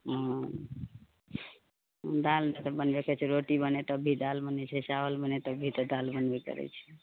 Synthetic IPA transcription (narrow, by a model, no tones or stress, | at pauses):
ɦɔ̃ | d̪alnet̪əbənbekɛt͡ʃʰɛɾoʈibənet̪əbʱid̪albənɛt͡ʃʰɛsawəlbənet̪əbʱit̪ɔd̪albənbekə̰ɾɛ̰t͡ʃʰɛ̥